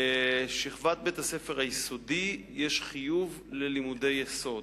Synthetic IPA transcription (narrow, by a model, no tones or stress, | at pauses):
eʃiχvat̪̚bethase̞feʁajiso̞dijeʃχijuv | lelimude̞jeso̞d